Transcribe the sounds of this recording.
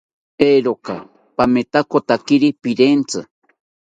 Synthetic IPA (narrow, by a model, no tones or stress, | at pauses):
eɾoka̰ | pamet̪akot̪akiɾipiɾent͡sɨ̰